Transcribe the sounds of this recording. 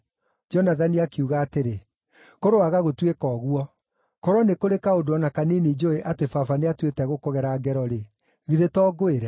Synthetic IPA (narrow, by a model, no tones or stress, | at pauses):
d͡ʒɔnaðaniakeuɣaːteɾe | koɾoaɣaɣotwekɔːɣwɔ | kɔɾɔnekoɾekaodoɔnakaninid͡ʒoeʔatefafaneatwetɛɣokɔɣɛɾaːɡɛɾɔɾe | ɣiðetɔːɡoeɾɛ